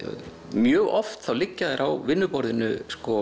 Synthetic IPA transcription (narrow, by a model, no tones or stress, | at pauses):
mjœːɣɔft̪θawlɪcːaðɪɾʔawvɪnːʏpɔɾðɪnʏskɔ